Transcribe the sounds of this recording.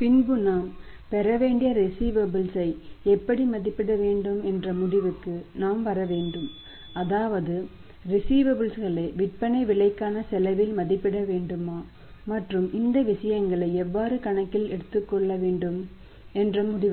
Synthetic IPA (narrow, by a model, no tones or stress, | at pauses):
pɪnbɯnaːm | pɛɾɐʋeːɳɖɪjɐɾɪsiːʋɐbɪlsɐɪɛpːɐɽimɐðɪpːɪɽɐʋeːɳɖɯmɛndrɐmʊɽɪʋɯkːɯnaːmʋɐɾɐʋeːɳɖɯm | ɐðaːʋɐðɯ | ɾɪsiːʋɐbɯlsɣɐɭɐɪʋɪʈ̚pɐnɐɪʋɪɭɐɪkːaːnɐsɛlɐʋɪlmɐðɪpːɪɽɐʋeːɳɖɯmaː | mɐʈrɯmɪnd̪ɐʋɪʂɐjɐŋɡɐɭɐɪɛʋːaːɾɯkɐɳɐkːɪlɛɽɯt̪ːɯkːɔɭːɐʋeːɳɖɯm | ɛndrɐmʊɽɪʋ